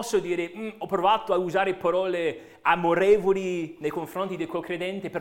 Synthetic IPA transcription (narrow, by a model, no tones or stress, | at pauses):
ɔsːod̪iːɾeɔpːɾovaːt̪oauzaːɾepaɾɔːle | amoɾɛːvolinejkoɱfɾont̪id̪ekwolkɾed̪ɛnt̪epeɾ